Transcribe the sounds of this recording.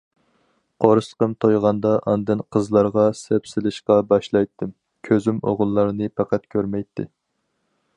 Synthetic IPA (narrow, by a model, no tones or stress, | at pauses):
qʰoɾɨsə̥qəmt̪ʰojʁɑnd̪ɑʔɑnd̪ɨnqʰəzlˠɑɾʁɑsɛpsɪlɪʃqɑbɑʃlˠɑjt̪ʰːɨm | kʲʰøzymo̰ʁʊlˠːɑɾnɨpʰɑqæt̪kʲʰøɾmɛjt̪ʰːɪ̰